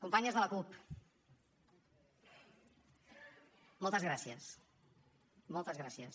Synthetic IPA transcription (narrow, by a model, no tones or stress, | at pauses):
kumpaɲəzðələkup | mɔlˠt̪əzɣɾasiəs | mɔlˠt̪əzɣɾasjəs